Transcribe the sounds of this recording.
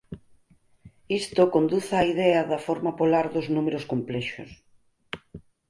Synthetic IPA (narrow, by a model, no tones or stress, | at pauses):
ist̪okond̪uθaiðɛɐðɐfɔɾmɐpolaɾðʊznumeɾoskomplɛʃo̰s